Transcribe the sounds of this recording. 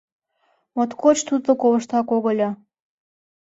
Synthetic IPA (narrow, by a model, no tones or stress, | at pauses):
mot̪kot͡ɕt̪ut̪lokoβə̆ʃt̪ɑkoɣɤlʲɑ